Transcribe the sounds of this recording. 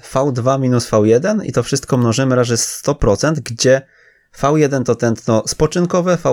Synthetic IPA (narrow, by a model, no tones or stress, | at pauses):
fawd̪vamʲinusfawjɛd̪ɛnḭt̪ɔfʂɘst̪̚kɔmnɔʐɘmɘɾaʐɛst̪ɔpɾɔt̪sɛnd̪ɡd͡ʑɛ | fawjɛd̪ɛnt̪ɔt̪ɛnt̪nɔspɔt͡ʂɘnkɔvɛfa